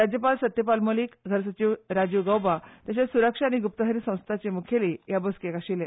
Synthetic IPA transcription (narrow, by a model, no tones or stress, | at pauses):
ɾad͡ʑjəpalsət̪jəpalmoliːkɡʱəɾsət͡ɕiːʋɾad͡ʑiʋɡawbat̪jaɕesuɾəkʂaːñiɡup̚t̪əɦəɾisə̃w̃st̪ʰat͡ɕemukʰelijabəskekaɕile